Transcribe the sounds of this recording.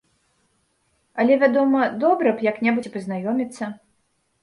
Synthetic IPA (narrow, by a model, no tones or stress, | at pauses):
ɐlʲɛvʲad̪ɔmɐd̪ɔbɾɐpjɐknʲɛbut͡sʲpɨznajɔmʲit̪sːɐ